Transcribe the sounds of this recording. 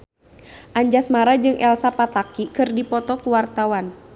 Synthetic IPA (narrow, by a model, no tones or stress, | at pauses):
ʔaɲd͡ʒasmaɾad͡ʒɨŋʔɛlsapat̪akikɨrdipɔt̪ɔkuwart̪awan